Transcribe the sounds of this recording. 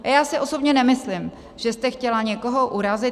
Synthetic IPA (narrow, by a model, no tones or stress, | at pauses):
jaːsɪʔo̞so̞bɲɛnɛmɪslɪm | ʒ̥ɛst̪ɛxcɛlaɲɛko̞ɦo̞ʔuɾazɪ